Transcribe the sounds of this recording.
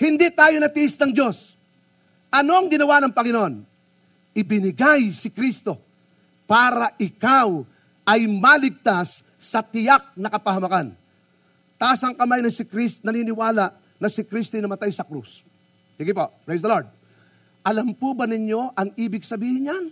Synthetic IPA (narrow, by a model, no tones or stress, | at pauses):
hɪnd̪it̪aːjo̞nɐt̪ɪʔɪsnɐŋd͡ʒo̞s | ʔɐno̞ɐŋɡɪnɐwanɐŋpɐŋɪnoʔon | ʔɪbɪnɪɡajsɪkɾist̪o̞ | paːɾɐʔɪkaw | ʔɐjmalɪɡ̚t̪asː | ɐt̪ɪjak̚nɐkɐpɐɦɐmɐkan | t̪aːsɐŋkɐmajnɐsɪkɾistnɐninɪwaːlaʔ | nɐsɪkɾist̪ojnɐmɐt̪ajsɐkɾṵs | siɡɪpopɹejs̬d̪ɐloɹd̪̚ | ʔɐlampubɐnɪɲjo̞ʔɐŋiːbɪɡsɐbiːhɪɲjan